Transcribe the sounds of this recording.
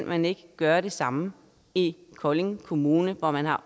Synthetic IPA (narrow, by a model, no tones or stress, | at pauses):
nmæne̝ɡ̥əɡ̥ɶːɐɾ̥e̝sɑ̈mə | ikʰɒle̝ŋkʰo̝muːnəʋɒmænɦɑ̈